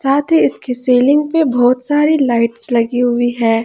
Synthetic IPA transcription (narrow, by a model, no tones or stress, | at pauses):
saːt̪ʰiɪskiseːlɪ̃ŋɡ̚pebɔːt̪saːɾilaːɪʈslɐɡiɦʊiɦɛ̃ː